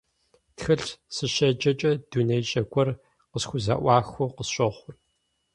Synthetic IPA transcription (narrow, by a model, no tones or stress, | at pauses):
txɨɬsɨɕɐd͡ʒʼɐt͡ʃʼɐd̥unejɕʼɐɡʷʼɔr | qəsxʷʊza̰ʔʷɑːxʷʊqəsɕʼɐχʷʊr